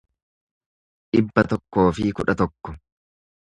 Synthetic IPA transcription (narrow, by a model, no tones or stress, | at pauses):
ᶑɪbːɐt̪ɔkːo̞ːfɪkʊᶑɐt̪ɔkːɔ